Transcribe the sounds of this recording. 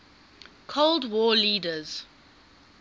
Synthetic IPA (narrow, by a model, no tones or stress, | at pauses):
kʰoldwɔːliːdəz̥